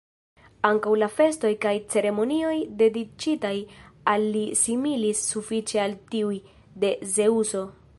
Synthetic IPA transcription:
aŋkawlafe̞sto̞jkajt͡se̞ɾe̞mo̞nio̞jde̞dit͡ʃitajalːisimilisːufit͡ʃe̞altiuj | de̞ze̞uso̞

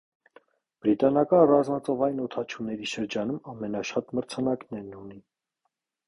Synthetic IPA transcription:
b̥ɾit̪ɑnɑkɑnrɑzmɑt͡sɔvɑjnɔt̪ʰɑt͡ʃʰunɛɾiʃəɾd͡ʒɑnumɑmɛnɑʃɑt̪məɾt͡sʰɑnɑknɛɾnuni

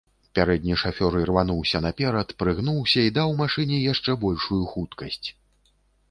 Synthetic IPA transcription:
pʲaɾɛd̪ʲnʲiʂafʲɔɾirvanuwsʲɐn̪ɐpʲɛɾɐt̪pɾɨɣn̪uwsʲɐid̪awmaʂɨnʲɛjaʂt͡ʂɛbɔlʲʂujuxut̪kɐsʲt͡sʲ

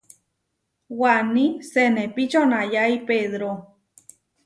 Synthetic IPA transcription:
wanĩsenepit͡ʃonajaipeðɾo

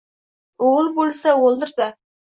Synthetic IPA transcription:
olˠbolˠsɑwolˠd̪əɾd̪a

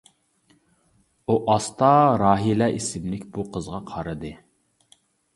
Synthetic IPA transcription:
uʔɑst̪ɑɾɑːɦilɛʔisɪmlɪkʲbuqʰəzʁɑqʰɑɾɨd̪ɨ

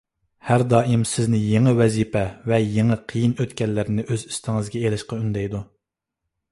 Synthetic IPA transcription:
hæɾd̪ɑːimsɪznɪjeŋɨwɛzipʰɛvɛjeŋɨqʰəjinøt̪kʲɛlːɪɾɪnɪʔøzist̪ʰɪŋɨzɡʲɛelɪʃqɑynd̪ɛjd̪u

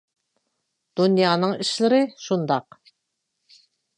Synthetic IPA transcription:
d̪̥unjɑːnɨŋiʃlɪɾɪʃund̪ɑq

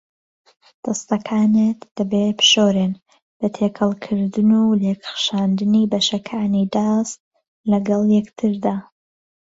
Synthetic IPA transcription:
d̪̥ɐst̪ɐkʰaːnet̪d̪̥ɐbepʃoɾen | b̥ɐt̪ʰekʰɐlˠkʰɨɾd̪ɨnuleːkxʃaːnd̪ɨniːbɐʃɐkʰaːnid̪ɑːst̪̚ | lɐɡɐlˠjɛkt̪ʰɨɾd̪aː

